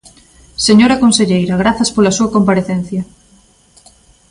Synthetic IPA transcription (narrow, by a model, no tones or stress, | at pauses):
seɲoɾɐkonseʎejɾɐɣ̞ɾaθɐspolɐsuɐkompaɾeθen̟θjɐ